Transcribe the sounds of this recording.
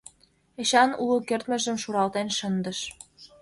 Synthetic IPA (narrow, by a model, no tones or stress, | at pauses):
eɕɑnulukert̪mə̆ʒə̆mʃuɾɑlt̪enʃə̆nd̪ə̆ʃ